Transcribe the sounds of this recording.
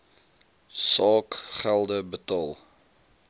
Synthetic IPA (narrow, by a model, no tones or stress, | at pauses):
sɑːkχælˠdəbətɑːlˠ